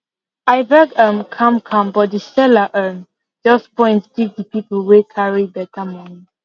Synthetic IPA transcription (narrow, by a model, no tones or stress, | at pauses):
aɪbɛɡəmkʰãmkʰãmbɔt̚disɛlaʔəm | d͡ʒɔspɔ̃ɪ̃ntɡiɡ̚dipipəlwekʰaɹibɛtamɔ̃ni